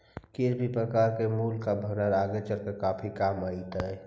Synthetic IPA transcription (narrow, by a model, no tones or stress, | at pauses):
kiɾpipɾəkaːɾkemuːlkabʱənəɾaːɡet͡ʃəɾkekaːpʰikaːmaːit̪əɛ